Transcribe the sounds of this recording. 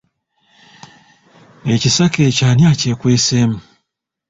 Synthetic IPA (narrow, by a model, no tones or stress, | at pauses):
ecisaket͡ʃaːnjacekweːsemu